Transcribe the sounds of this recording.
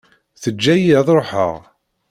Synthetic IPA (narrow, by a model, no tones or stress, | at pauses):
θəd͡ʒːæjəðˤɾˤoħə̰ʁ